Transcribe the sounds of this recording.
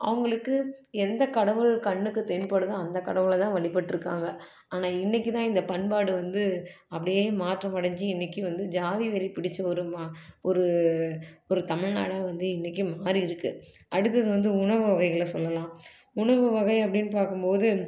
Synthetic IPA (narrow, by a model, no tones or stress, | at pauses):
ʔɐ̰ʋɐŋɡɐɭɯkːɯɛnd̪ɐkɐɽɐʋɯɭkɐɳːɯkːɯt̪ɛɳpɐɽɯðɯɐnd̪ɐkːɐɽɐʋɯlɐt̪ãːʋɐɭɪpːɐʈːɪɾɯkːaːŋɡɐ | aːnaːɪnːɪkːɯt̪ãːɪnd̪ɐpɐɳpaːɽɯʋɐnd̪ɯ | ɐpːɐɽɪjeːmaːʈrɐmɐɽɐɲd͡ʒiɪnːɪkːɯʋɐnd̪ɯd͡ʒaːðiʋɛɾipɪɽɪt͡ʃːɐɔɾɯmɔɾɯ | ɔɾɯt̪ɐmɪɻna̰ːɽaːʋɐnd̪ɯɪnːɛkːɯmaːɾiɪɾɯkːɯ | ɐɽɯt̪ːɐðɯʋɐnd̪ɯʊɳɐʋɯʋɐɣɐɪɣɐɭɐsɔlːɐlãː | ʊɳɐʋɯʋɐɣɐɪɐp̬ːɐɽɪnːpaːɾkɯmpoːðɯ